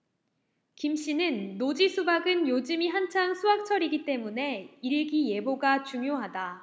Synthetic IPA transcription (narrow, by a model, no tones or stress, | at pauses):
kimɕ͈inɯnːod͡ʑisʰubaɡɯnjod͡ʑɯmiɦant͡ɕʰaŋsʰuɦak̚t͡ɕʰʌɾiɡit͈e̞mune̞iɾiɡije̞boɡat͡ɕuŋjoɦada